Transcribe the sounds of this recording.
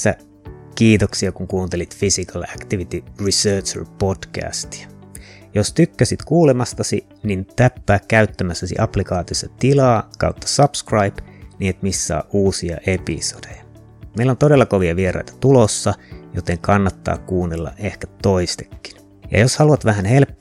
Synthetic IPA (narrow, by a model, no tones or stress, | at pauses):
æ | kiːt̪oksiɑkuŋkuːnt̪elit̪fisikɑlækt̪iʋit̪irisøːt͡ʃḛlpodkæ̰ːst̪i̥æ̥ | jost̪ykːæsit̪kuːlemɑst̪ɑsi | nint̪æpːæːkkæyt̪ːæmæsːæsḭʔɑplikɑːt̪iosːɑt̪ilɑːkɑ̰ut̪ːɑ̥sɑpskrɑipniːet̪mistːɑ̰ːʔuːsiɑ̰ʔepḭsod̥ejɑ | meilːont̪odelːɑkoʋiɑʋieɾɑ̰it̪ɑ̥t̪ulosːɑjot̪eŋkɑnːɑt̪ːɑ̰ːkkuːnːelːɑ̰ʔʔehkæ̥t̪oist̪e̥kːi̥n | jɑ̰joshɑluɑt̪ʋæɦænhel